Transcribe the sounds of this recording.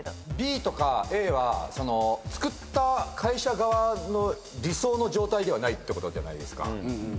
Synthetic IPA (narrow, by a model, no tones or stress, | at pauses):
bʲiːt̪o̞kae̞ːβaso̞no̞t͡sɨ̥kɯ̟t̪ːakʰaiɕaɡaβano̞ | ɾʲiso̞ːno̞ʑo̞ːt̪aid̪e̞βanait̪ːeko̞t̪o̞d̪eanaid̪e̞sɨ̥ka̰